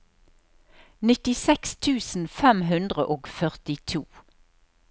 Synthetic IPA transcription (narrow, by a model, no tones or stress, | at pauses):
nɪt̪ɪsɛkst̪ʰʉːsn̩fɛmɦʉnd̪ʁəʔoːɡfœʁt̪ɪt̪ʰuː